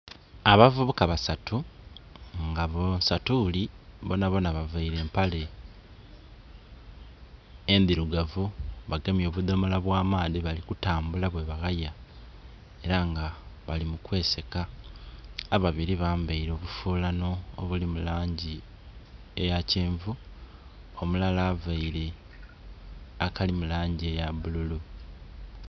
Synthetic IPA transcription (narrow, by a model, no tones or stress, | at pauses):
aβavuβukaβasatʰu | ŋɡaβosatuliβonaβo̞naβavaiɾe̞ːmpale̞ | nd̪iɾuɡavuβaɡemjo̞ːβudo̞molaβwaːmaːðiβalikutaːmbulaβwe̞βaɣaja | e̞ɾaŋɡaβalimukwe̞ːse̞kaː | βaβiɾiβaːmbaiɾo̞ːβufuːlano̞̰ːβulimulaːɲɟi | ejaceːɱvu | omulalavaiɾe̞ | akalimulaːɲɟiejaβululu